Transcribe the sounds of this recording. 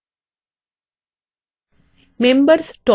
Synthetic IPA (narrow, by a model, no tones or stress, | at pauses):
mẽmbəɾsʈɔ